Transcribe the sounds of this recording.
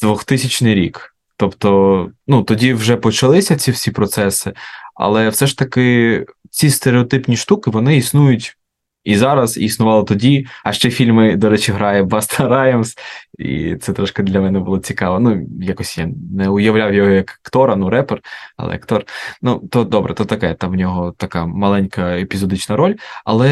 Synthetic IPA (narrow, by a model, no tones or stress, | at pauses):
d̪ʋɔxt̪ɪsʲɐt͡ʃnɪjɾʲḭk | t̪ɔpt̪ɔnut̪ɔdʲiwʒɛpɔt͡ʃɐlˠɪsʲɐt͡sʲiwsʲipɾɔt̪sɛsɪɐ̰lˠɛwsɛʃt̪ɐkɪ | t͡sʲist̪eɾeɔt̪ɪpnʲiʃt̪ukɪʋɔnɪisnujʊtʲ | izɑɾɐz̰isnʊʋɑlˠɪt̪ɔdʲiɐʃt͡ʃɛfʲilʲmɪd̪ɔɾɛt͡ʃiɦɾɑjɛbɑst̪ʰɐɾɑjɐmsḭt̪sɛt̪ɾɔʃkɪd̪lʲɐmɛnɛbʊlˠɔt͡sʲikɑʋɐnujakɔsʲja̰nɛʊjɐʋlʲawjɔɦɔjɐkkt̪ɔɾɐnuɾɛperɐ̰lˠɛ̰jɐ̰kt̪ɔrnut̪ɔd̪ɔbɾɛ̰t̪ɔt̪ɐkɛɛt̪ɑmnʲɔɦɔt̪ɐkɑmɐlˠɛnʲkɐepʲizɔd̪ɪt͡ʃnɐɾɔlʲɐ̰lˠɛ